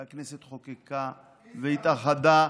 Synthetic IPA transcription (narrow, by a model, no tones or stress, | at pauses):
akneset̪χokika | veit̪aχad̪a